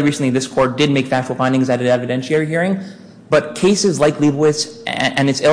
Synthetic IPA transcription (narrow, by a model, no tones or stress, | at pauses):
ɹisn̩liðɪskʰɔɹt̚d̥ɨd̚meɪkfæk̚t͡ʃul̩ˠfãɪ̃ndɪ̃ŋzɨɾɨɾɛvɨdɛ̃nʃlɛɹihiɹɪ̃ŋ | b̥ʌt̚kʰeɪsɨzlaɪklibl̩ˠɪssɨ̃nɨtsɪ